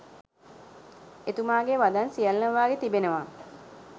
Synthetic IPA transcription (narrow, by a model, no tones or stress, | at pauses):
et̪umaːɡeʋad̪ansijɐlnəʋaːɡet̪ibenəʋa